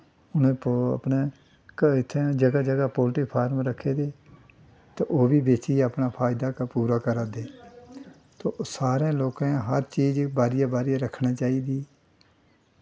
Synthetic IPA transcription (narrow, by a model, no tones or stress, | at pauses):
ʊnẽːpəpneː | kɪt̪ʰːed͡ʒəɡaːd͡ʒəɡaːpoːlʈiːpʰaːɾmɾəkʰeːd̪eː | t̪aːʔoːbiːbeːt͡ʃiəpnaːpʰaːɪd̪aːkapuːɾaːkəɾaːd̪eː | t̪oːsaːɾẽːloːkãːɦəɾt͡ʃiːd͡ʒbaːɾɪjaːbaːɾɪjaɾəkʰnaːt͡ʃaːiːd̪iː